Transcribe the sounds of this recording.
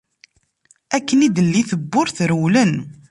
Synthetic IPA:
ækːənid̪əlːiθəbːʊɾθɾəwlən

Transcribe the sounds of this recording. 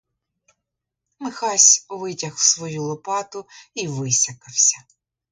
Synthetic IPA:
mɪxɑsʲuʋɪtʲɐxw̥sʋɔjulˠɔpɑt̪ʊiʋɪsʲɐkɐwsʲɐ

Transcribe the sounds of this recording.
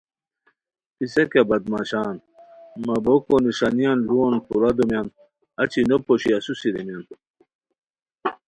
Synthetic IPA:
pisekabɐd̪maɕaːn | mɐbokoniʂanijanluonpuɾad̪omjɐn | ɐt͡ɕinopoɕiɐsusiɾemjan

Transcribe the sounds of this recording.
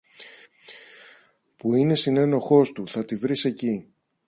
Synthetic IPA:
puine̞sine̞no̞xo̞st̪uθɐt̪ivɾise̞ci

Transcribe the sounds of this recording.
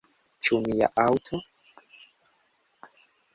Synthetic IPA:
t͡ʃumija̰ʔawtʰo

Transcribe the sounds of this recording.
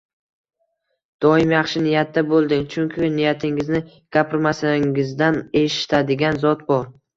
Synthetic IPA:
d̪̥ɒɪmjɑχʃɪnɪjat̪̚ːabolˠd̪ɪŋt͡ʃʰʊŋkʲʰɪnɪjat̪ʰɪŋɪznɪ | ɡ̥ʲapʰɪɾmasaŋɪzd̪ane̞ʃɪ̥t̪ʰad̪ɪɡʲanzɒt̪bɒɾ

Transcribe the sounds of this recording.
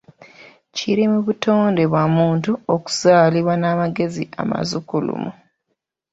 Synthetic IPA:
ciɾimuβuto̞ːnde̞βwamuːntuoku̥z̥aːliβwanaːmaɡe̞zia̰ma̰zukulṵmu

